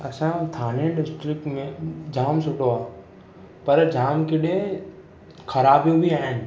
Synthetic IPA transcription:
ɐ̰sãt̪ʰaːnẽɖɪsʈɾɪkmẽd͡ʒʱaːmsʊʈoa | pɐɾd͡ʒʱaːmkɪɗẽ | kʰɐɾaːbjõbʱiaːɪn

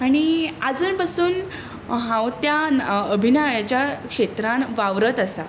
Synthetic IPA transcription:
aɽ̃iad͡zuːnpasuːn | ɦãwt̪jaəbʱinajat͡ɕjakʂet̪ɾãnʋaʋɾət̪əsa

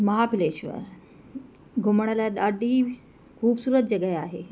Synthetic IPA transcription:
məɦapʰileɕʋə̰ɾ | ɡʱoməɽ̃aljaɗaɖiː | kʰuːbsuːɾət̪̚d͡ʑəɡajaɦe

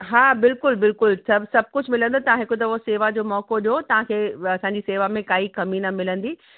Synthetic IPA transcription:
ɦaːbɪlkʊlbɪlkʊlsɐbsɐb̚kʊd͡ʑʱmɪlə̃nd̪t̪ɐʋ̤ãɦɪkot̪̬ɐʊɦseːʋad͡ʑoːmɔːkoɗijot̪ɐʋ̤ãkʰeːɐsãːɲd͡ʑiːseːʋamẽkaːikɐmiːnamɪlə̃nd̪iː

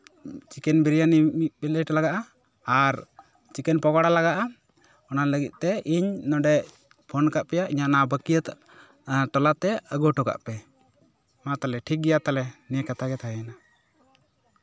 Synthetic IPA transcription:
t͡ʃikɛnbɛɾijanimit̪̚bɛləjʈalaɡaʔaː | ɾ | t͡ʃikɛnpɔɡaɽalaɡaʔa | ɔnaləɡḭt̪̚ˀt̪ɛiɲnɔɖɛ | pʰɔnkaʔpɛjaʔiɲaʔnabəkijət̪ | ʈɔlat̪ɛəɡɔʈɔka̰ʔpɛ | mat̪alɛʈʰik̚ɡɛjat̪alɛniɛkat̪aɡɛt̪ʰaana

